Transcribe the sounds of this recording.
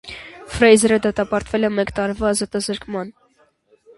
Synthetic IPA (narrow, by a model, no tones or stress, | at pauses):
fɾɛjzɛɾəd̪ɑt̪ɑpɑɾt̪vɛlɛmɛkt̪ɑɾvɑːzɑt̪ɑzəɾkmɑn